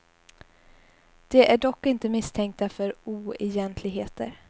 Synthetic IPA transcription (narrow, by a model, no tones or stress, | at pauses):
d̪̥ɛʔæɖɔkːɪnt̪əmɪst̪ʰɛŋk̚t̪afœɾuːɛjɛnt̪ʰlɪɡɦeːt̪ə̰ɾ